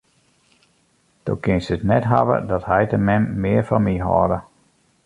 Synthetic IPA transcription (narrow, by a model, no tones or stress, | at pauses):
d̥o̰kɪnsətnɛtɦaʋə̰dɔthɛjtəmɛmːɪəɹfɔnmiɦɔ̰ːdə